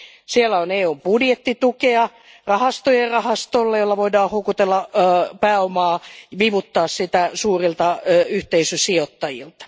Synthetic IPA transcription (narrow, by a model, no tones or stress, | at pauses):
sielːæoneːombudjet̪ːit̪ukeɑ | rɑhɑst̪ojerrɑhɑst̪olːejolːɑʋoidɑːhhokut̪elːɑpæːomɑːʋiʋut̪ːɑːssit̪æsuːrilt̪ɑyht̪eisysiot̪ːɑjḭlt̪ɑ̥